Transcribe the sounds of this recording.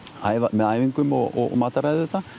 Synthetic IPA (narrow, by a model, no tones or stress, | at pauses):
ajvamɛðajviŋkʏmɔɔ̰maːt̪aɾajðɛt̪a